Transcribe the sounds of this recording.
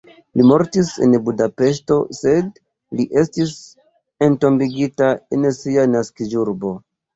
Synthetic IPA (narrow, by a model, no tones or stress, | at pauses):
limo̞ɾtisḛnbudape̞ʃ̬to̞se̞d̚ | liʔe̞stis | ento̞mbiɡitaensianaskid͡ʒuɾbo̞